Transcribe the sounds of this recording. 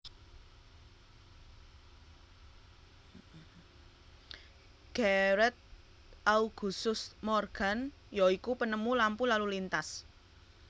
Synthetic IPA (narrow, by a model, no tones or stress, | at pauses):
ɡ̥ɛɾɛt̪̚ | ʔauɡ̥ṳsʊsmɔrɡ̥a̤njɔikupənəmulampulalulint̪as